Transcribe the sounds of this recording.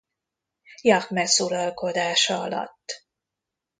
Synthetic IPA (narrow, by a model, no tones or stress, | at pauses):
jɒkmɛsuɾɒlko̞d̪aːʃɒɒ̰lɒ̰t̪ː